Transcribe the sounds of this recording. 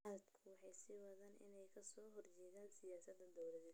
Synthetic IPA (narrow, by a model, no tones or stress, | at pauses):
ad̪kʰʊwɑħɑjsɪwɐðɐːnʔɪ̰nɛjkʰɐsɔːɦɔrt͡ʃɛːɣaːnsɪjaːsɐd̪ɐd̪ɔwlɐðɛ